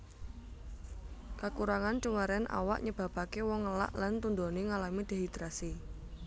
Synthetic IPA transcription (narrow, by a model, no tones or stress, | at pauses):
kakuɾaŋant͡ʃuŋaɾɛnʔa̰wa̰ʔɲəb̥a̤b̥a̤kewɔŋːəla̰ʔlant̪und̪oneŋalamid̪̥e̤ɦit̪ɾasi